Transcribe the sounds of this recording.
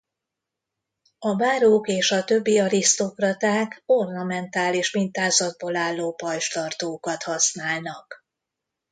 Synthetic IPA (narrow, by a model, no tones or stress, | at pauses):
ɒbaːɾoːkeːʃɒt̪ø̞bːiɒɾist̪o̞krɒt̪aːko̞rnɒmɛnt̪aːliːʃmint̪aːzɒd̪̚boːlaːlːoːpɒlʃt̪ɒrt̪oːkɒt̪hɒsnaːlnɒk